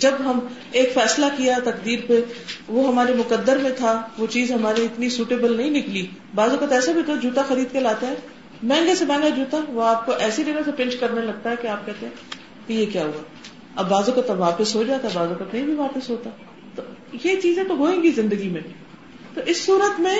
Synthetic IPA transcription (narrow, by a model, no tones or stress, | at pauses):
d͡ʒɐbɦɐm | eːkfɛːslakijat̪ɐqd̪iːɾpeʋoɦɐmaːɾemʊkəd̪ːəɾmẽt̪ʰaʋot͡ʃiːzɦɐmaːɾeɪt̪nisuːʈeːbəlnɐɦĩnɪkli | baːzokət̪ɛːsabʱit̪od͡ʒuːt̪axɐɾiːd̪̚kelaːt̪aɦɛː | mɛ̃ːŋɡesebɛ̃ːŋɡad͡ʒuːt̪aʋoaːp̚koʔɛːsid͡ʒɐɡõsepɪ̃nt͡ʃkɐɾnelɐɡ̚t̪aɦɛkeaːp̚kɛɦt̪ẽɦɛ̃ː | kejekjaːɦua | ɐbːaːzoːkət̪ʋaːpəsɦod͡ʒaːt̪aɦɛbaːzokət̪nɐɦĩbʱiʋaːpɪsɦoːt̪a | t̪ojet͡ʃiːzẽt̪oɦoːẽːŋɡizɪ̃nd̪əɡimẽ | t̪oʔɪsːuːɾət̪mẽ